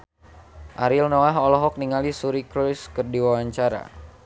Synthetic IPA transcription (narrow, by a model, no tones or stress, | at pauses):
ʔaɾilnoaɦɔlɔɦɔk̚niŋalisuɾikɾuskərdiwawaɲt͡ʃaɾa̰